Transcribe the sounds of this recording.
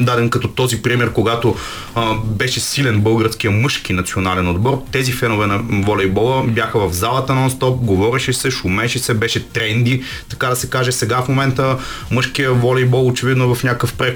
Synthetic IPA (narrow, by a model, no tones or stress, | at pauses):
d̪ad̪ɛnkɐt̪ɔt̪ɔzipɾimɛɾkoɡat̪o | bɛʃɛsilɛnbɤlˠɡəɾskijəmɤʃkinɐt̪sionalɛnod̪bɔɾt̪ɛzifɛnovɛnɐvɔlɛjbɔlˠəbjaxəvɐvzalˠɐt̪ɐnɐɔnst̪ɔp̚ɡovɔɾɛʃɛsɛʃʊmɛʃɛsɛbɛʃɛt̪ɾɛnd̪i | t̪ɐkad̪ɐsɛkaʒɛsɛɡafmomɛnt̪ə | mɤʃkijəvɔlɛjbɔlˠot͡ʃɛvid̪noɛvɐfnʲakəfpɾɛ